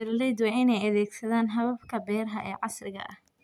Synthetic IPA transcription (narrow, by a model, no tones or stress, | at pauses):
ɪrlɛjd̪wɛɪnɛjɐðɛːɡsɐðaːnɦɐβɐfkʰɐbɛːrɦɐʔɛ̰ːʕɑsrɪɣɐ̰ʔɐh